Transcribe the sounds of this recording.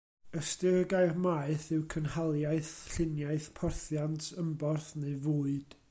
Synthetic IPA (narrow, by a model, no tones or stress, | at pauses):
əstɪrɡaɨrmaɨθɨwkʰənhalˠjaɨθɬɪnjaɨθpʰɔrθjantʰəmbɔrθneɨvuːɨd̥